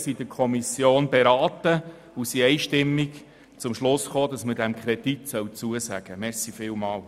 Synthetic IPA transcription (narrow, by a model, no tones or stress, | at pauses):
sid̥əkʰɔmisjoːnbeɾɑːt̪ə | usiɛɪʃtɪmːik | t͡sʊmʃlʊsχoːdɑsmədæmkʰɾɛditsœwt͡suəsæɡ̥əmɛɾsifɪːlmɑːl